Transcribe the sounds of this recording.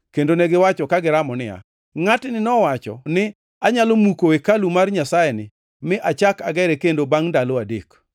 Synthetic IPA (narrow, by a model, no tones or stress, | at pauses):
kendonɛɡɪwat͡ʃɔkaɡɪɾamɔnɪja̰ | ŋatnɪnɔwat͡ʃɔ̰nɪ | aɲalomukoekalumarɲasajɛnɪ | mɪʔat͡ʃakaɡɛɾɛkendobaŋndaloadek